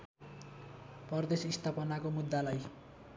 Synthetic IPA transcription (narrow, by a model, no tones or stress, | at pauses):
pʌrd̪esist̪ʰapʌnakomud̪ːalaj